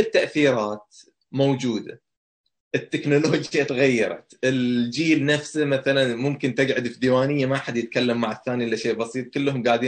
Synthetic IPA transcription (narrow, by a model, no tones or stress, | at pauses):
ɪt̪ːaʔθiːɾˤɑːt̪̚ | mowd͡ʒuːd̪a | ʔɪt̪ːɪknʊloːd͡ʒjat̪ɣajːɑ̰ɾˤɑ̰t̪ʔɪld͡ʒiːlnafsamaθalanmʊmkɪnt̪ɪd͡ʒʕʊd̪fd̪iwaːnɪjːamaħad̪jɪt̪̚kalːamːaʕaθːaːniʔɪlːaʃeːʔbɑsˤiːt̪̚ˤkʊlːɦʊmɡaːʕd̪iː